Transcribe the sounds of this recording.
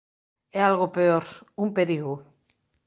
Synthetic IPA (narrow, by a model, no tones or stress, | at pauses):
ealɣopeoɾumpeɾiɣu